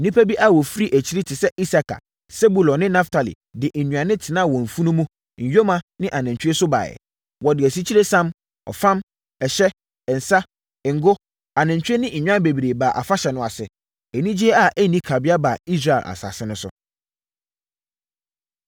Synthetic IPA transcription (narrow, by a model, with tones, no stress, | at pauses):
nĩ˦pʰæ˦bi˦ʔa˦wɔ˨fi˦ɾi˦ʔæ˨t͡ɕʰi˦ɾi˦tʰɪ˨sɛ˦ʔi˦sa˨kʰa̰˨ | se˦bu˨lɔ̃˨nɪ̃˦nã˦ftʰa˨lḭ˨ | dɪ˨ʔɛ˨nũ˨ã˨nɪ̃˦tʰɪ˨nã˦˨wɔ̃˨ɱ̩˨fũ˦nũ˦mũ˦ | ɲ̩˨jo˦mã˨nɪ̃˦ʔa˨nã˨t͡ɕᶣe˦sʊ˦ba̰ː˨jɛ̰˨ | wɔ˨dɪ˨æ˨s̬i˦t͡ɕʰi˦ɾe˦sã˦m | ɔ̰˨fã˦m | ɛ˨ɕɛ˦ | ɛ˨n̩˨sa˦˨ | ŋ˨ɡʊ˦ | a˨nɪ̃˨ɲ˨t͡ɕᶣe˦nɪ̃˦ɲ̩˨ɲᶣ˦ã˦be˨bi˨ɾe˨ba˨ʔa̰˨fa˦ɕɛ˨nʊ̃˨˦a̰˨sɪ˨ | ɛ˨nĩ˦d͡ʑi˦ɛ˦a˨ʔæ˦nĩ˦kʰa˨bɪ˦a˦baː˨i˦s̬ɾa˨ɪ˨ʔa̰˨sa̰ː˨sɪ˦nʊ̃˦sʊ̰˦